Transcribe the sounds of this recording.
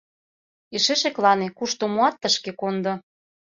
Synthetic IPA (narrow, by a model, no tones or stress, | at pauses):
eʃeʃĕklɑnekuʃt̪omoɑt̪ːəʃkekond̪ŏ